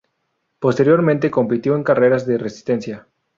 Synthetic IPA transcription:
po̞st̪e̞ɾjo̞ɾmẽnt̪e̞ko̞mpit̪joeŋkare̞ɾazðeresi̥st̪e̞nsja

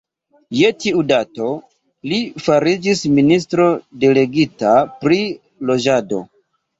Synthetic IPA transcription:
je̞tiudato̞ | lifaɾid͡ʒisminis̬tɾo̞de̞le̞ɡitapɾi | lo̞d͡ʒado̞̰

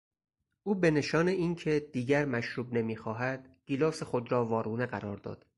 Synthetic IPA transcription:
ʔuːbe̞ne̞ʃɒːneiːncʰe̞d̪̥iːɟæɾmæʃɾuːbne̞miːxɒːɦæd̪̥ɡ̥iːloːsexo̞d̪ɾɒːvɒːɾuːne̞ɣæɾɒːɾd̪ɒ̰ːd̪̥

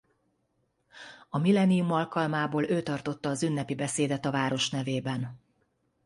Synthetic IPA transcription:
ɒmilɛnijumɒlkɒlmaːboːløːt̪ɒrt̪o̞t̪ːɒːzynːɛpibɛseːd̪ɛt̪ɒvaːɾo̞ʃnɛveːbɛn

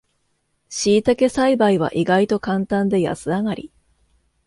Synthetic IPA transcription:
ɕiːt̪ake̞saibaiβ̞a̰ʔiɡait̪o̞kãnt̪ãnd̪e̞ja̰sɨaŋaɾʲi

